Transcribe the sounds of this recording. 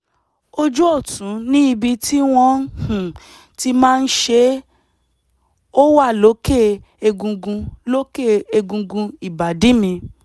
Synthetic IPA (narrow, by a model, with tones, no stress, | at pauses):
o˧d͡ʒu˦o˦˨tũ˨˦nĩ˦i˧bi˧ti˦w̃ɔ̃˧˦h̩˨ | ti˧mãː˦˧n̩˦ʃe˧˦ | o˦wa˦˨lo˨˦ke˦˨ | e˧ɡũ˧ɡũ˧lo˦ke˦˨e˧ɡũ˧ɡũ˧i˨ba˨dĩ˨˦mĩ˧